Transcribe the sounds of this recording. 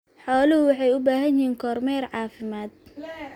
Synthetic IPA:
ħɔːlɪhʊwɑħɑjʊbaːɦɐjhiːŋkʰɔːrmɛrʕɑːfɪmaːd̪̚

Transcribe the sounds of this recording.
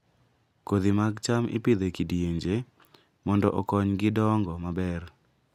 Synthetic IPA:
kod̪imaɡt͡ʃamɪ̰pid̪ekidjeɲd͡ʒe | mɔndɔʔɔkɔɲɡɪdɔŋɡɔmabɛr

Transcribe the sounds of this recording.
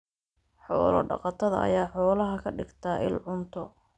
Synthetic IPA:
ħɔ̰ːlɐ̰ɖɑ̰qɑt̪ʰɐðɐɐ̰jaːħɔːlɐɦɐkʰɐɖɪɡt̪ʰɐʔɪ̰lʕʊnt̪ʰɔ

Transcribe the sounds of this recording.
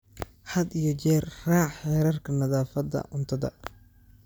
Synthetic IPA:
ħɐd̪ijɔt͡ʃɛːrraːʕħɛːɾɐrkʰɐnɐðaːfɐd̪ɐ̰ʔʊnt̪ʰɐðɐ̰

